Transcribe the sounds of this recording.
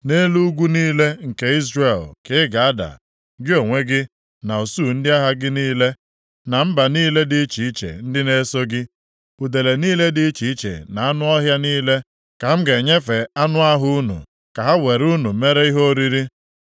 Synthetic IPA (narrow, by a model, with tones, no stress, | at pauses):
ne˦lu˦ɡʷu˦niː˦le˦ŋ̩˨ke˦i˦zɾe˨lkɪ˦ɪ˦ɡa˨a˦da̰˨ | ɡɪ˦o˨ŋʷe˦ɡɪ˦ | na˨o˨su˦˨n̩˦dɪ˦a˦ɦa˦ɡɪ˦niː˦le˦ | na˨m̩˦ba˨niː˦le˦dɪ˦t͡ʃi˨i˦t͡ʃḛ˨n̩˦dɪ˦ne˦so˦ɡɪ˦ | u˨de˨le˨niː˦le˦dɪ˦t͡ʃi˨i˦t͡ʃḛ˨na˨a˦nʊ˦ɔ˦ɦja˦niː˦le˦ | ka˨m̩˦ɡe˨ɲe˦fe˨a˦nʊ˦a˦ɦʊ˦ʊ˦nṵ˨ | ka˨ɦa˦we˨ɾu˦nu˨me˦ɾe˦i˦ɦo˦ɾi˦ɾi˦